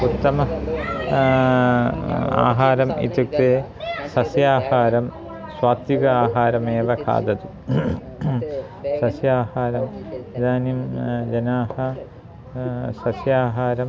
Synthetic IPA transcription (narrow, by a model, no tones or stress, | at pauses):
ut̪ːɐmɐ | a̰ːɦaːɾɐmḭt̪uk̚t̪eː | sɐsjaːhaːɾɐm | swaːt̪juɡɐaːɦaːɾɐmeːʋɐkʰa̰ːd̪ɐd̪u | sɐsjaːhaːɾɐmd̪aːnimd͡ʑɐnaːhɐ | sɐsjaːɦaːɾɐm